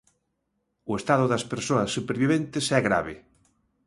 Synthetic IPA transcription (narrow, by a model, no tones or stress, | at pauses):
ʊest̪aðʊðɐspeɾsoɐsːupeɾβiβent̪ɪsɛɣɾa̰βe